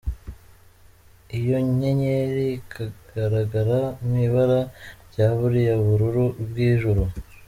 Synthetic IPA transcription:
ijo̞ɲe̞ɲeɾikʰaɡ̥aɾaɡaɾamiβaɾaɟaːβuɾijaβuɾuɾubɡiːʒuɾu

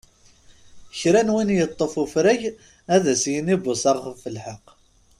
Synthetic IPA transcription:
çɾænwinjət̪ˤːəfufɾæʝ | æðæsjənibʊsɑʁχəvfəlħəqː

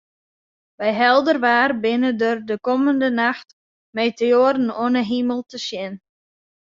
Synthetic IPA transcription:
ʋɛjɦɛlˠdərʋaːrbɪnədərdəkɔməndənaxt | mejtəoəɾən̩oənəɦiməlˠtəsjɪn

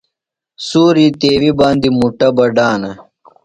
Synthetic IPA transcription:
suːɾit̪eːwibaːnd̪imuʈɐbɐɖaːnɐ

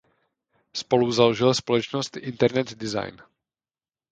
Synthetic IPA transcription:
spo̞luzaloʒɪlspo̞lɛt͡ʃnost̪ʔɪnt̪ɛɾnɛt̪dɪza̰jn

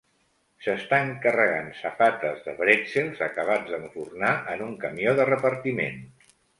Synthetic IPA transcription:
səst̪aəŋkərəɣansəfat̪əzðə̰βɾɛselˠzəkəβ̞ad͡zðəɱfurnaʔənuŋkəmioðərəpəɾt̪imḛn

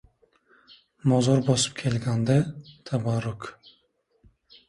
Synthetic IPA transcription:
mɒzɒɾbɒsɨ̥pkʲʰelɡʲand̪at̪ʰabaɾuk

